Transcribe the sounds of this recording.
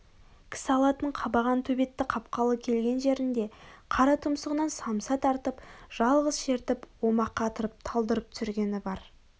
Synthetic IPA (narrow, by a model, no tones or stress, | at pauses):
kʲʰɪ̥sɪɑlˠɑt̪əɴqʰɑbɑʁɑnt̪ʰɵbe̞t̪ːɪqʰɑp̚qɑlˠəkʲʰe̞lɡʲe̞nʒe̞ɾɪnd̪e̞qʰɑɾɑt̪ʰʊmsəʁənɑnsɑmsɑt̪ʰɑɾt̪əpʒ̥ɑlˠʁəzʃe̞ɾt̪ɪpwo̞mɑqːɑt̪əɾəp̚t̪ʰɑlˠd̪əɾəp̚t̪ʰʏ̥sɪɾɡʲe̞nɪbɑɾ